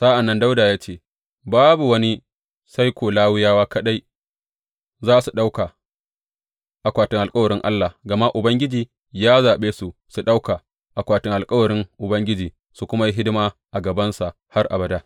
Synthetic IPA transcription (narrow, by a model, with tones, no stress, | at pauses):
sa˦ʔa˨nːɐ˦nda˦wdaː˨jaː˦t͡ʃeː˦ | baː˦bu˨wɐ˦ni˦ | sa˦jkʷoː˨laː˦wʊ˦jaː˦waː˦kɐ˦ɗa˦j | zaː˦˨su˨ɗa˦wka˨ | ʔa˨kʷaː˨tɪ˦ŋʔa˨lkʼɐ˦wɐ˨ɾɪ˦ŋʔa̰˦lːa˨ɡɐ˨ma˦ʔʊ˨bɐ˦ŋɡʲɪ˦d͡ʒiː˨ | jaː˦zaː˨ɓeː˦su˨su˨ɗa˦wka˨ | ʔa˨kʷaː˨tɪ˦ŋʔa˨lkʼɐ˦wɐ˨ɾɪ˦ŋʔʊ˨bɐ˦ŋɡʲɪ˦d͡ʒiː˨ | su˨kʷʊ˦ma˦ji˦ɦɪ˦dɪ˦maː˦ʔa˨ɡɐ˨bɐ˦nsa˨ʔ | ha˦rʔa̰˨bɐ˨daː˦